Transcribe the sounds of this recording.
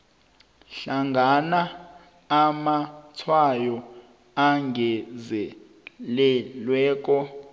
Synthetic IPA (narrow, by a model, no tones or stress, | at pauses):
ɬaŋɡʱanaː | mat͡sʰwajɔ | aŋɡʱɛzɛ | lɛlwɛːk̬ʼɔ